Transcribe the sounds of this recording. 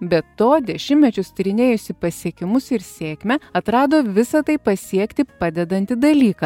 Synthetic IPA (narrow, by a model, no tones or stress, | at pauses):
bʲɛt̪ːoːd̪ʲɛʃʲɪmʲmʲɛt͡ʃʲʊst̪ʲɪɾʲɪnʲeːjʊsʲɪpɐsʲiɛkʲɪmʊsɪɾsʲeːkʲmʲɛɐt̪ɾɑːd̪oːʋʲɪsɐt̪ɐɪpɐsʲiɛkt̪ʲɪpɑːd̪ʲɛd̪ɐnʲt̪ʲɪd̪ɐlʲiːkɐː